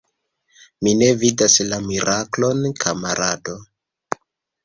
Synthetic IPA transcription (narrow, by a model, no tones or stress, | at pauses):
mine̞vidaslamiɾʔaklo̞nkʰamaɾʔado̞